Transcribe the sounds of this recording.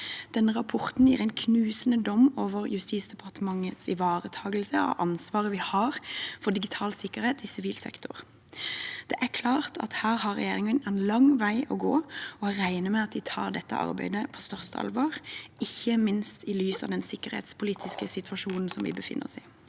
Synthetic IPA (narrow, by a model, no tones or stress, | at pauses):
d̪̥ɛnːəʁɑpʰɔʁt̪n̩jiːʁæɪnkʰnʉːsənəd̪ɔmoːʋəʁjʉst̪iːt̪sd̪ɛpʰɑʁt̪əmɑŋət̪sɪ̰ʋɑːʁət̪ʰɑːɡəlsəɔ̰ʔɑnsʋɑːʁəʋɪhɑːʁfɔd̪ɪɡɪt̪ʰɑːlsɪkːəɾeːt̪ɪsɪʋiːlsɛ̰kt̪ʊʁ | d̪̥ɛʔæʁkʰlɑːʁt̪ʰɑ̰t̪hæːʁhɑɾːɛ̰jeːʁɪŋənɛnlɑŋʋæɪʔɔɡo̰ːɔɾæɪnəmɛɑt̪̚d̪ɪt̪ʰɑ̰ːɾd̪ɛt̪ːə̰ʔɑ̰ʁbæ̰ɪd̪əpʰɔst̪œʁst̪ʰəɑ̰lʋɑːʁɪçːəmɪnst̪ɪlyːsɑ̰ʋd̪ɛnsɪkːəʁhḛːt̪spʰʊliːt̪ʰɪskəsɪt̪ʰʉʋɑʃuːnn̩sɔmʋɪ̰bəfɪ̰nːə̰ʁɔ̰siː